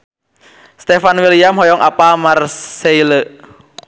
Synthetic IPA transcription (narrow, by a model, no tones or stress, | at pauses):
st̪efanwiliamhɔjɔŋʔapamarseilə